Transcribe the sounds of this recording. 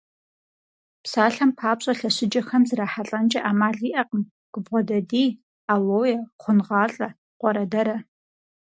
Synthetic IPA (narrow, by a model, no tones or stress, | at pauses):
psaːɬɐmpʰaːpɕʼɐɬɐɕɪd͡ʒɐxɐmzɨɾaːħaɬʼɐnt͡ʃʼɐʔaːmaːɮiːʔɐqəm | ɡ̥ʊbʁʷɔdɐdiː | aːwoːjɛχʷʊnʁɑːɬʼɐ | qʷɔɾɐdɐɾɐ